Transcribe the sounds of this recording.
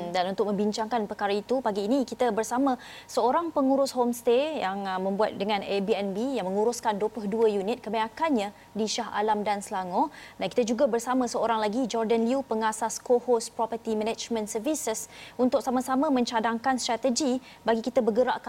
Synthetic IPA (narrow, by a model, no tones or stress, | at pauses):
danunt̪ʊk̚mə̃mbiɲt͡ʃaŋkanpərkaɾait̪upaɡiːnikit̪əbərsamã | səoɾaŋpəŋuɾʊshomst̪ejaŋmə̃mbua̰t̪̚dəŋãnebiɛnbijaŋmə̃ŋuɾʊskandoplʊhduəjunɪt̪̚kəmeakanɲã | diʃaɦa̰lamdansəlaŋɔ̃danki̥t̪əd͡ʒuɡabərsamãsəoɾaŋlaɡid͡ʒɔrdənliupəŋasaskohospɾɔpərt̪imənɛd͡ʒmə̃nsərvisəsunt̪ʊk̚samasamãmə̃ɲt͡ʃadaŋkanst̪ɾat̪əd͡ʒi | baɡikit̪əbəɡəɾaʔk